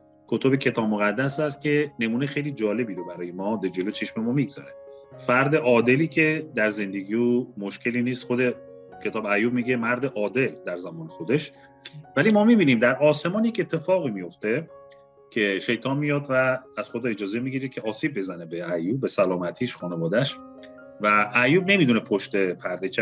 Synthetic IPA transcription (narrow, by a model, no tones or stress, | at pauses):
kʰo̞t̪ʰo̞becʰe̞t̪ʰɒːbmoɣæd̪ːæsæst̪cʲʰe̞ne̞muːnejxe̞jliːd͡ʒɒːle̞biːɾobæɾɒːjemɒːd̪ed͡ʒe̞lo̞t͡ʃʰe̞ʃme̞mɒmiɡz̥ɒ̰ɾe̞ | fæɾd̪e̞ʔɒːd̪e̞liːcʰe̞d̪æɾze̞nd̪e̞ɡiumoʃcʰe̞liːniːst̪xo̞d̪ecʰe̞t̪ʰɒːbæjuːbmiːɟemæɾd̪eʔɒːd̪e̞ld̪æɾzæmɒːne̞xo̞d̪e̞ʃ | vælimɒːmibiːnimd̪æɾʔɒːse̞mɒːnjece̞t̪ʰːe̞fɒːɣiːmijo̞ft̪e̞ | cʲʰe̞ʃe̞jt̪ʰɒːnmijɒːd̪vææz̥xo̞d̪ɒːe̞d͡ʒɒːzemiɡiɾekʰʲcʰeɒːsiːb̚ːe̞zæne̞beæjuːbːe̞sælɒːmæt̪ʰiːʃxɒːnevɒːd̪æʃ | væʔæjuːb̚ne̞mid̪une̞pʰoʃt̪e̞pʰæɾd̪e